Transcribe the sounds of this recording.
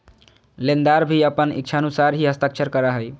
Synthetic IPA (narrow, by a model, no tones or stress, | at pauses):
lend̪aɾbʱiəpənḭk̚t͡ʃʰaənusaɾɦiɦəst̪akt͡ʃʰəɾkəɾəɦəj